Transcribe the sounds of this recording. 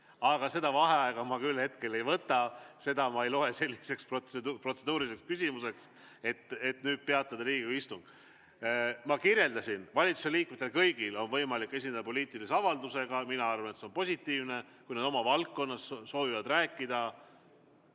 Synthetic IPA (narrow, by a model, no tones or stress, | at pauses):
ɑɡ̥ɑse̞d̪̥ɑvɑɦe̞ɑeɡ̥ɑmɑkylhe̞t̪ke̞le̞jvɤt̪ːˑɑse̞d̪ɑmɑe̞jlo̞e̞se̞lʲːise̞ksproepro̞t̪sed̪uːɾiise̞kskysʲimuse̞ks | e̞t̪ːe̞t̪nyːd̪̥̚pe̞ɑt̪ˑːɑd̪ɑɾiːɡkuist̪uŋɡ̥ | mɑkirje̞ld̪ɑsʲinvɑlʲit̪su̥seliːk̚met̪ːelkɤjɡ̥ilo̞nvɤjmɑlikːˑe̞s̬ʲined̪ɑpo̞liːt̪ˑiliseɑvɑld̪use̞ɡɑminɑɑrvɑnet̪se̞o̞npo̞sʲit̪ːiːvne̞ | kujnɑd̪o̞mɑvɑlk̚ːo̞nːɑsːo̞ːvivɑd̪ræːkːˑid̪̥ɑ